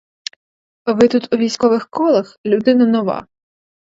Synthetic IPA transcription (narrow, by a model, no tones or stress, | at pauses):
ʋɪt̪ut̪uʋʲijsʲkɔʋɪxkɔlˠɐxlʲʊd̪ɪnɐnɔʋɑ̰